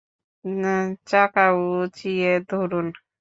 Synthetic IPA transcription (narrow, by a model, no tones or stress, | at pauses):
t͡ʃakaut͡ʃijed̪ʱuɾun